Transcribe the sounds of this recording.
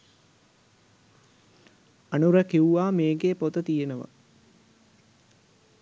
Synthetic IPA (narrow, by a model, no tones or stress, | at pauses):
ɐnuɾəkiuʋaːmeːɡepot̪ət̪ijenəʋə̰